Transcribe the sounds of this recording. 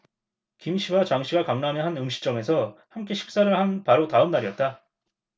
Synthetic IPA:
kimɕʰiwat͡ɕaŋɕʰiɡakaŋnamjʌnɦanɯmɕʰi̥t͡ɕ͈ʌŋe̞sʰʌhamk̬͈e̞ɕʰi̥k̚s͈aɾɯɭhanpaɾotaɯmnːaɾiʌt̚t͈a

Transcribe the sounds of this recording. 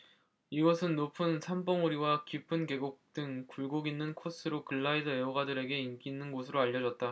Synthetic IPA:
iɡʌsʰɯnːopʰɯnsʰambʌŋuɾiwakipʰɯnke̞ɡok̚t͈ɯŋkuɭɡoɡinːɯnkʰos͈ɯɾokɯɭːaidʌeoɡadɯɾe̞ɡe̞ink͈inːɯnɡos̬ʰɯɾoaʎːʌd͡ʑʌt̚t͈a

